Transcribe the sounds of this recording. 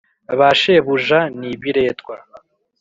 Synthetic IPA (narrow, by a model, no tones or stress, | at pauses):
βaʃe̞βuʒaniβiɾe̞ːtwa